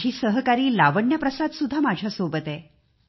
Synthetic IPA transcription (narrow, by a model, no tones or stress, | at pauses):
iːsəɦkaɾiːlaʋəɳjapɾəsad̪sud̪ʱːamad͡ʑʱjasobət̪ɛ